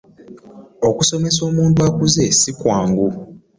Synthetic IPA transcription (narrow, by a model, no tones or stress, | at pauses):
okuso̞me̞so̞ːmuːntwakuzesikwaːŋɡu